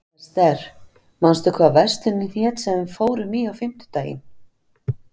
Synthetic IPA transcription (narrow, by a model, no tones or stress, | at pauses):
st̪ɛɾ̥ | manst̪ʏkʰvaːvɛr̥st̪ʏnɪθjɛːt̪sɛfoːwɾɪmiːawfɪm̥t̪ɪ̥t̪aːjɪ̰n